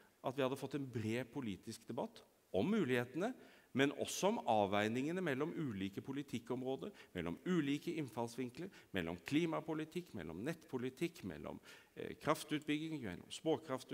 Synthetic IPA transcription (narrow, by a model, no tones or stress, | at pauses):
ʔɑt̪ʋɪhɑd̪ːəfɔt̪ːɛnbɾeːpʰʊliːt̪ɪskd̪ɛbɑt̪ː | ɔmːʉːlɪheːt̪ənəmɛnɔ̰sːɔɔmɑːʋæɪnɪŋənəmɛlːɔmʉːliːkəpʰʊlɪt̪ʰɪkːɔmɾoːd̪əɾmɛlːɔ̰mʉːliːkəɪnfɑlsʋɪŋkləɾmɛlːɔ̰mkʰliːmɑpʊlɪt̪ʰɪkːmɛ̰lːɔ̰mnɛt̪ːpʰʊlɪt̪ʰɪkːmɛ̰lːʔɔ̰m̰ | kʰɾɑft̪ʉːt̪̚bʏɡɪŋmɛ̰lːɔ̰mspoːkʰɾɑft̪